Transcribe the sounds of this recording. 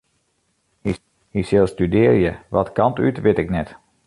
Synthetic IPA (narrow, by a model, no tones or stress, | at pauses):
hi | hisɪlˠstydɪːrjəʋɔtkɑntytʋɪtɪknɛt